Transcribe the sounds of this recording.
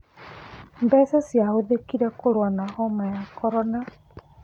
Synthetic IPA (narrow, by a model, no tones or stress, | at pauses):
mbɛsɛsiaoðekiɾɛkoɾwanahɔmajakʰɔɾɔna